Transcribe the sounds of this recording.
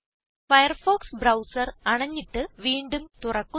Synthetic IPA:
fɐjɐrfoːksbrɐwsɐrɐɳɐɲːiʈːɨʋiːɳɖumt̪urɐkːu

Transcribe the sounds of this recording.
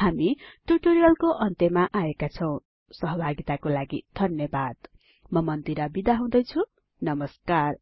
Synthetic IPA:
hamiʈuʈoɾijʌlkoʔʌnt̪emaʔaekat͡sʰʌw̃ | sʌɦʌbʱaɡit̪akolaɡid̪ʱʌnjʌbad̪̥ | mʌmʌnd̪iɾʌbid̪aɦũd̪ʌjt͡sʰu | nʌmʌskar

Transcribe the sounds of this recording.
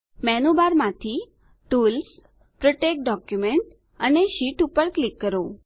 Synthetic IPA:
mɛnubaɾmãt̪ʰi | ʈuls | pɾəʈek̚ɖɔkjumeɳʈ | əneʃiʈupəɾklikːəɾõ

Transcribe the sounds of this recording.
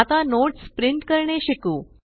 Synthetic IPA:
at̪anoʈspɾiɳʈkəɾɳeɕikuː

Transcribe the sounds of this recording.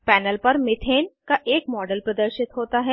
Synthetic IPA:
pɛːnəlpɐɾmɪt̪ʰeːnkaʔeːkmɔːɖəlpɾəd̪əɾʃɪt̪ɦoːt̪aɦɛː

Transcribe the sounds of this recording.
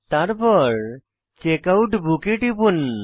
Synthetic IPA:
t̪aɾpɔɾ | t͡ʃekawʈbʱukeʈipun

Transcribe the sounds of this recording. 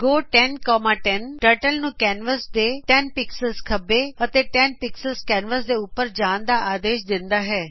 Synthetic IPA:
ɡoːʈɛnkɔːmaːʈɛnʈəɾʈəlnũːkɛːnʋəsd̪eːʈɛnpɪksəlskʰəbeːət̪eːʈɛnpɪksəlskɛːnʋəsd̪eːʊpːəɾd͡ʒaːnd̪aːʔaːd̪eːʃd̪ɪ̃nd̪aːɦɛː

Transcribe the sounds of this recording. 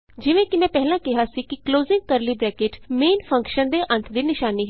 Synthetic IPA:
d͡ʒɪʋẽːkɪmɛ̃ːpɛɦlãːkɪɦaːsiːkɪkloːzɪ̃ŋɡ̚kəɾliːbɾɛːkeːʈmeːnpʰə̃ŋkʃənd̪eːʔə̃nt̪ʰd̪iːnɪʃaːniːɦɛ

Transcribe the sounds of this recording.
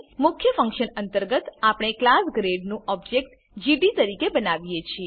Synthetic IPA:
mʊkʰjəfə̃ŋkʃənənt̪əɾɡət̪apɽ̃eklasɡɾeɖnũɔb̚d͡ʒek̚ʈ | d͡ʒiɖit̪əɾikebənaʋijet͡ʃʰie

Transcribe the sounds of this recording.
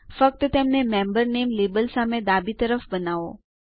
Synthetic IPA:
fək̚t̪ət̪emnemɛmbəɾnemlebəlsamed̪abit̪əɾəfbənaʋo̰

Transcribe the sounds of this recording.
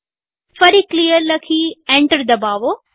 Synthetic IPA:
fɐɾiklijəlɐkʰiẽːɳʈəɾd̪ɐbaːʋo

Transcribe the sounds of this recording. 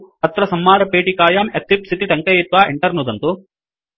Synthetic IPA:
ɐt̪ɾɐsɐmːaːɾɐpeːʈikaːjaːmɐt̪ɾipsit̪iʈɐŋkɐjeːt̪ʋaːʔeɳʈɐɾnud̪ɐnt̪u

